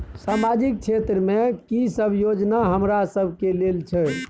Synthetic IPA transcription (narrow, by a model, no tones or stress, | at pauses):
samad͡ʒik̚t͡ʃʰet̪ɾəmekisəbʱjod͡ʒnaɦəmɾasəbʱkelelt͡ʃʰɛ